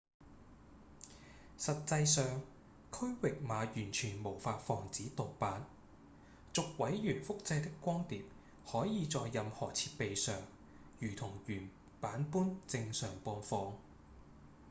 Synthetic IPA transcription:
sɐ˨t̚t͡sɐ˧jsœː˨ŋ | kʰɵ˥ɥwɪ˨k̚maː˨˧jyː˨˩nt͡ʃʰyː˨˩nmo˨˩wfaː˧t̚fɔː˨˩ŋt͡siː˨˥t̪o˨wpaː˨˥n | t͡sʊ˨k̚wɐ˨˥jjyː˨˩nfʊ˥k̚t͡sɐ˧jt̪ɪ˥kːʷɔː˥ŋt̪iː˨p̚ | hɔː˨˥jiː˨˧t͡sɔː˨˧jːɐ˨mhɔː˨˩t͡sʰiː˧t̚pe˨jsœː˨ŋ | jyː˨˩t̪ʰʊ˨˩ŋjyː˨˩n | paː˨˥npuː˥nt͡sɪ˧ŋsœː˨˩ŋpɔː˧nfɔː˧ŋ

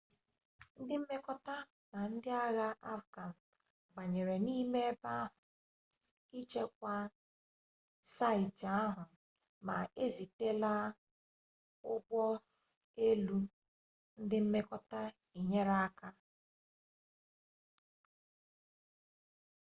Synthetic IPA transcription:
n̩˦dɪ˦m̩˦me˦kɔ˦ta˦ | na˨n̩˦dɪ˦a˦ɣa˦ʔa˦fɡa˨n̩˨ | ɡ͡ba˨ɲe˨ɾe˨ni˦me˦ba˦ɦʊ˨ | i˦t͡ʃe˦k̚ʷa˦ | sa˦ɪ˨ta˦ɦʊ˨ | ma̰˨e˦zi˨te˦la˦ | ʊ˦bɔ˦ | e˦lu˦ | n̩˦dɪ˦m̩˦me˦kɔ˦ta˦ | i˨ɲe˦ɾa˦ka˦

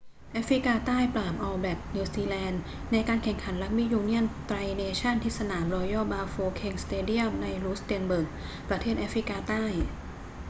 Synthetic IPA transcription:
ʔa˦˥fɾi˦˥kaː˧t̪aː˥˩jplaː˨˩m̚ʔɔː˧wbɛː˨˩k̚niː˧siː˧lɛː˧nː | a˧jkaː˧nkʰɛ˨˩ŋkʰa˩˦nla˦˥k̚mi˦˥juː˧ni˥˩ənt̪ɾa˧jneː˧t͡ɕʰa˥˩nt̪ʰiː˦˥˩sa˧naː˩˦mɾɔː˧jɔː˥˩baː˧foː˧kʰe˧ŋst̪eː˧di˥˩əmna˧jluː˦˥st̪i˧ənbɤː˨˩k̚ | pɾa˧t̪ʰeː˥˩t̪̚ʔaː˦˥fɾi˦˥kaː˧t̪aː˥˩j

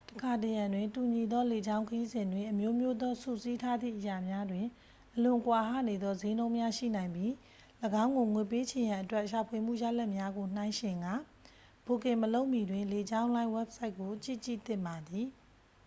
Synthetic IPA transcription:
tə̥kʰa˨təjã˨ndwɪ̃˨ntu˨ɲi˨d̪ɔ˦le˨d͡ʑã˦ʊ̃ŋkʰəji˦zɪ̃˨ndwɪ̃˨ʔəmjo˦mjo˦d̪ɔ˦sṵ˦˨si˦tʰa˦d̪ðḭ˦˨ʔəja˨mja˦dwɪ̃˨ | ʔəlʊ̃˨kwa˨ɦa̰˦˨ne˨d̪ɔ˦ze˦nõ˦ʊ̃mja˦ʃḭ˦˨nã˨ɪ̃mbji˦ | ləɡã˦ʊ̃ŋɡo˨ŋwe˨pe˦t͡ɕʰẽ˨jã˨ʔətwɛ˦ʔʃa˨pʰwe˨m̥ṵ˦˨ja̰˦lɛ˦ʔmja˦ɡo˨n̥ã˦ɪ̃ʃɪ̃˨ŋɡa˦˨ | b̥o˨kɪ̃˨məlo˦ʊʔmi˨dwɪ̃˨nle˨d͡ʑã˦ʊ̃lã˦ɪ̃wɛ˦p̚sa˦ɪʔkːo˨t͡ɕḭ˦˨t͡ɕḭ˦˨t̪ɪ̰̃˦˨mba˨d̪i˨

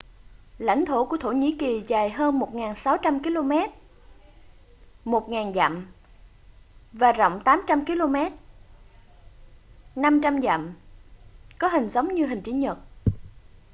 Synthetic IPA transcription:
la̰˧˥jŋ̟t̪ʰo˧˩ku˧˩ət̪ʰo˧˩ɲḭ˧˥ki˨˩zaː˨˩jɦəː˧nmo˨˩t̚ŋaː˨˩nsa˨˦wt͡ɕa˧mki˧lo˧mɛ˦˥t̚ | mo˨˩t̚ŋaː˨˩nza̰˧˨m | vaː˨˩zə̰˧˨wŋ͡mt̪aː˨˦mt͡ɕa˧mki˧lo˧mɛ˦˥t̚ | na˧mt͡ɕa˧mza̰˧˨m | kɔ˨˦ɦï˨˩ŋ̟zə˨˦wŋ͡mɲɨ˧ɦï˨˩ŋ̟t͡ɕi˧˨˦ɲə˨˩t̚

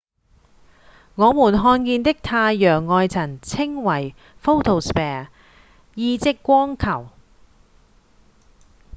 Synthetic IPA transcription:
ŋɔː˨˧muː˨˩nɦɔː˧nkiː˧nt̪ɪ˥k̚t̪ʰaː˧jːœː˨˩ŋːɔː˧jt͡sʰɐ˨˩nt͡sʰɪ˥ŋwɐ˨˩j | fo˥wt̪ʰo˨˩wspɛː˨˩ | jiː˧t͡sɪ˥kːʷɔː˥ŋkʰɐ˨˩w

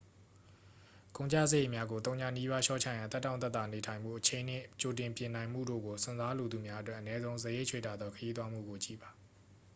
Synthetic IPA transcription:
ɡ̥õ˨ʊ̃ɲt͡ɕä̰˦˨sə˨je˦˨mja˦ɡo˨t̪̬õ˦ʊ̃ɲã̰˦˨ni˦βa˦ʃɔ̰˦˨t͡ɕʰä̰˦˨jã˨nt̪ɛ˦tːã˦˨nt̪ɛ˦t̪ːa˨ne˨tʰã˨ɪ̃mbṵ˦˨ʔət͡ɕʰẽ˨ɪ̃n̥ɪ̰̃˦˨t͡ɕo˨tɪ̃˨mpjɪ̃˨nã˨ɪ̃m̥ṵ˦˨do̰˦˨ɡo˨sʰʊ̃˨nza˦lo˨d̪u˨mja˦ʔətwɛ˦ʔənɛ˦zõ˦ʊ̃zəje˦˨ʔt͡ɕʰwḛ˦˨ta˦˨d̪ðɔ˦kʰəji˦t̪wa˦m̥ṵ˦˨ɡo˨t͡ɕḭ˦˨ba˨

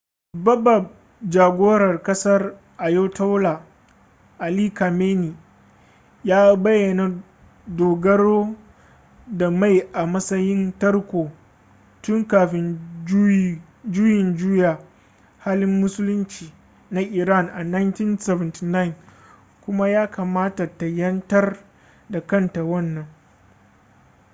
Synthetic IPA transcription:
bɐ˦bɐ˨b̚ | d͡ʒaː˨ɡʷoː˦ɽɐ˨rkɐ˦sɐ˦r | ʔa˨jo˦ta˦wla˨ | ʔa˨liː˦ka˨meː˦ni˨ | jaː˦bɐ˦jːɐ˨na˨ | doː˨ɡɐ˦ɽoː˦ | da˨ma˦˨jʔa˨mɐ˦sɐ˦jɪ˦ntɐ˦rkʷoː˨ | tʊ˦ŋkaː˨ɸɪ˦n˦ | d͡ʒʊ˦jɪ˨nd͡ʒuː˦jaː˨ | haː˦lɪ˦mːʊ˦sʊ˦lʊ˦nt͡ʃiː˨ | na˦ʔɪ˨ɾa˦˨ŋʔa˨na˦jnti˦nsɛ˨vɐ˨nti˨na˦ɪ˨n | kʷʊ˦ma˦jaː˦ka˨maː˦ta˨ta˨jɐ˦ntɐ˦r | da˨kɐ˦nta˨wɐ˦˨nːɐ˨ŋ

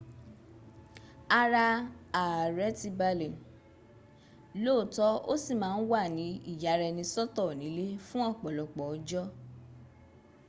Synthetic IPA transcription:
a˧ɾa˧a˨ɾɛ˦ti˧ba˧lẽ˨ | loː˦˨tɔ˦o˦si˦˨mãː˨˦˧n̩˦wa˦˨nĩ˨˦i˦˨ja˨ɾɛ˧nĩ˧sɔ˦tɔ˦˨nĩ˨˦le˦fũ˦ɔ˦˨k͡pɔ˨lɔ˨k͡pɔ˨˦d͡ʒɔ˦

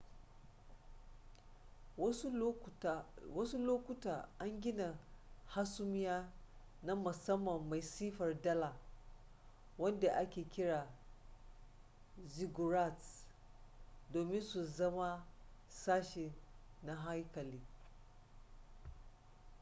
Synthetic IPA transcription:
wɐ˦su˦loː˦kʷʊ˦taː˨ʔa˦ŋɡʲɪ˦na˨ha˦sʊ˦m˦jaː˦ | na˦mʊ˨sɐ˦mːɐ˨mːa˨jsiː˦ɸɐ˨rdɐ˦la˨ | wɐ˦nda˨ʔa˦kʲeː˨kʲɪ˦ɽaː˨ | zi˨ɡu˨ɾa˦˨t | doː˨mɪ˦nsu˨zɐ˦ma˦ | saː˦ʃe˨na˦ɦa˦jkɐ˨liː˦

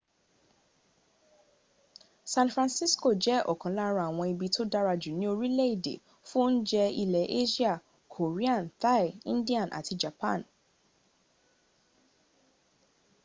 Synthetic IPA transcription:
sã˧nfɾã˧nsi˦sko˦˨d͡ʒɛ˨˦ʔɔ̰˨kã˨˦la˦ɾ̃a˧˨a˨w̃ɔ̃˧i˧bi˧to˦da˦ɾa˧d͡ʒu˨nĩ˨˦o˧ɾi˦lɛ˦i˦˨dḛ˨ | fũ˦n̩˦d͡ʒɛ˧i˧lɛ˨˦ʔe˦ʃi˦a˦˨ | kʰo˨ɾi˦ã˦˨n˨ta˦˨ḭ̃˦n˦di˦ã˨nʔa̰˨ti˧d͡ʒa˨pã̰˦˨n

